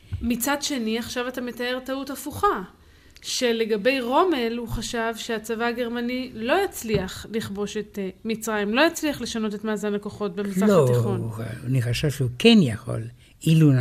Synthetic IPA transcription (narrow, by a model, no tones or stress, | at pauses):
mit͡sadʃe̞niaχʃavatame̞tae̞ʁtautafuχa | ʃe̞le̞ɡabe̞jʁo̞me̞lhuχaʃavʃeat͡savaːɡe̞ʁmanilo̞jat͡sliaχliχbo̞ʃe̞tmit͡sʁajimlo̞jat͡sliaχle̞ʃano̞tetmaːzanlakoχo̞t̚bemisʁaloat̪iχonaniχaʃavʃeukenjaχo̞̰l | ilu